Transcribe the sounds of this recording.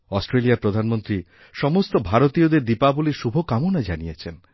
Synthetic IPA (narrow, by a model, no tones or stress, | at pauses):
ɔsʈɾelijapɾod̪ʱanmont̪ɾi | ʃɔmost̪obʱaɾot̪ijod̪eɾd̪ipabuliʃubʱokamunad͡ʒaniet͡ʃʰen